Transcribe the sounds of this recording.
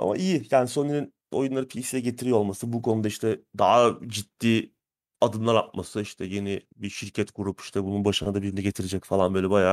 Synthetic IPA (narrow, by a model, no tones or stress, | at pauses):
a̰ma̰ijijaːniso̞nːeɾin | o̞̰junlˠaɾɯpʰisijɛɟe̞t̪ʰiɾijoo̞lˠmasɯbukʰo̞nud̪aiʃt̪ʰɛd̪aɦad͡ʒit̪ːiː | ad̪ɯnlˠaɾa̰p̚masɯiʃt̪ʰɛje̞nibiʃiɾcʰɛt̪ɡuɾupi̥ʃt̪ʰɛbununbaʃɯnad̪abiɾinɛɟe̞t̪ʰiɾed͡ʒɛcfalˠanbøːlʲɛbajaː